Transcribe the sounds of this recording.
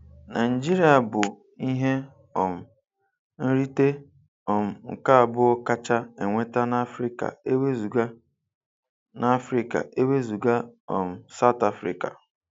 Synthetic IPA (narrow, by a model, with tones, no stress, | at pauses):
na˨d͡ʒi˦ɾi˨a˨bʊ˨ | i˦ɦe˦ | ɔ˨m̩˨ | n̩˦ɾi˦te˦ | ɔ˨m̩˨ŋ̩˨ka˦a˨bʊ˦ɔ˦ka˦t͡ʃa˦e˨ŋʷe˦ta˦na˦fɾi˦ka̰˨e˦we˦zu˨ɡa˦ | na˦fɾi˨ka̰˨ʔe˦we˦zu˨ɡa˦ɔ̰˨m̩˨sa˦ʊ˨ta˦fɾḭ˨ka̰˨